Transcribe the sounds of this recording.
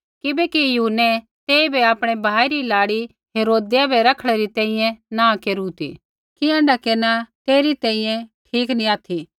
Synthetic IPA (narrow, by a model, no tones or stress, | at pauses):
kɪbɛkijuɦunːɛ | t̪eːibeaːpɽ̃ebʱaːiɾilaːɽi | ɦeːɾoːd̪ijabʱɛɾɐkʰɽ̃eɾit̪ɛ̃ːĩjɛ̃nãkeːɾut̪ḭ | kiɛ̃ːɳɖakeɾnat̪eːɾit̪ɛ̃ːĩjɛ̃ʈʰiːknĩaːt̪ʰi